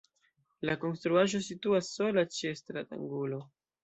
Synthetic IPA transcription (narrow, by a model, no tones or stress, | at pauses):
lako̞nstɾuaʒo̞s̬ituasːo̞lat͡ʃiestɾa̰ta̰ŋɡulo̞